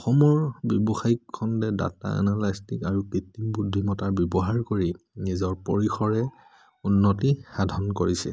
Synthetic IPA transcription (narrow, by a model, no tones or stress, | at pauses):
ɔxɔmɔɹbɔbɔxajikʰːɔndɛda̰ta̰ɛ̰nalajstikaɹukɹitːimbudʱːimɔtaɹbjɔbɔɦaɹkoɹi | nizɔɹpɔɹixɔɹɛ | unːɔtixadʱɔnkoɹisɛ̰